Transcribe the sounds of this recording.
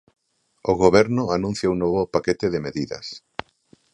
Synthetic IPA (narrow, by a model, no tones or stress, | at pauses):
oɣoβɛɾnʊanũn̟θjaunoβʊpaket̪ɪðɪmeðiðɐ̰s